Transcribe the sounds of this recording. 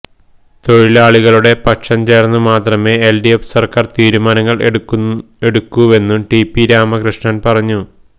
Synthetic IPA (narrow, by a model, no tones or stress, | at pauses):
t̪o̞ɻilaːɭiɣɐɭuɽe̞pɐkʂɐmt͡ɕe̞ːrnːumaːt̪rɐme̞ːelɖijepsɐrkaːrt̪iːɾumaːnɐŋːɐɭ | e̞ɽukːuʋe̞nːumʈipːiɾaːmɐkrɨʂɳɐnpɐrɐɲːu